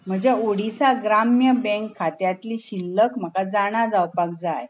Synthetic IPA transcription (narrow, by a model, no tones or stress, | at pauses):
m̤əd͡ʑeoɽisaɡɾamjəbɛ̃ŋkʰːat̪jat̪liɕilːəkm̤əkad͡zaɽ̃ad͡zawpak̚d͡zaj